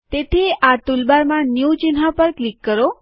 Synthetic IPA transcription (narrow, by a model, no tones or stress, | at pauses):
t̪et̪ʰiʔat̪ulbaɾmãnjut͡ʃinɦapəɾklikːəɾo